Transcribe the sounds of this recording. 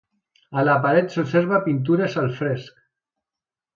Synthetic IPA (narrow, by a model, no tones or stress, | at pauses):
alapaɾet̪soseɾβapint̪̬uɾesalfɾesk